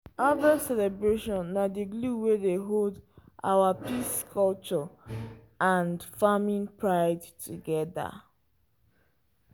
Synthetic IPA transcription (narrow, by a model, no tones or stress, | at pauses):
avasɛlɛbɹeʃɔ̃nːadiɡluwedeɦoldʔa̰wapiskʰɔlt͡ʃɔ | ãndfamĩnpʰɹaɪdtʰuɡɛða̰